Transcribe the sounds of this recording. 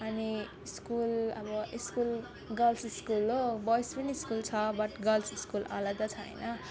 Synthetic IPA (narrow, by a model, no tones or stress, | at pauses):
ʌniiskulʌ̰bʌʔiskul | ɡʌlsiskulobɔjspʌniːskult͡sʰʌbʌʈɡʌlsiskulʌ̰lad̪ʌt͡sʰʌʌ̰nʌ